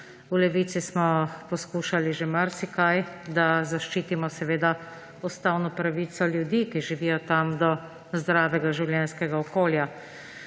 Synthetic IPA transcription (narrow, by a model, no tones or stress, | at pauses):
ulɛʋiːt̪sismɔpɔskuːʃaliʒemaɾsikajd̪azaʃt͡ʃiːt̪imɔsɛʋeːd̪a | ɔst̪awnɔpɾaʋiːt̪sɔljud̪iːkiʒiʋiːjɔt̪amd̪ɔ | zd̪ɾaːʋɛɡaʒiwljɛnskɛɡaɔkoːlja